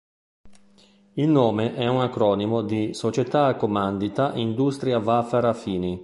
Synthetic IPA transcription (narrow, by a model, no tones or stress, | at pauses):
ilnoːmeʔɛunakɾɔːnimod̪isot͡ʃet̪aakːomand̪it̪aʔind̪ust̪ɾiavafaɾafiːni